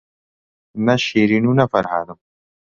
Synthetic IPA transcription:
nɐʃeɾinunɐfɐɾɦa̰d̪əm

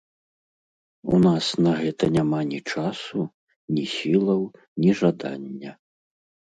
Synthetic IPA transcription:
ṵnasnɐɣɛt̪ɐnʲamanʲit͡ʂasu | nʲisʲilˠɐw | nʲiʐad̪a̰nʲːɐ

